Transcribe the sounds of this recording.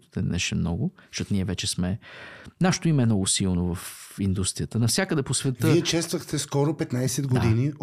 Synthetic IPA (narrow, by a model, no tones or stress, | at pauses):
t̪ɛnɛ̰ʃɛmnɔɡʊʃɔt̪niɛvɛt͡ʃɛsmɛnaʃe̥t̪ʊimɛmnɔɡʊsilˠnovəfind̪ust̪ɾijət̪ənɐfsʲjakəd̪ɛposvɛtvɤiɛt͡ʃɛst̪vəxt̪ɛskɔɾopɛt̪najsɛd̪ɡod̪ini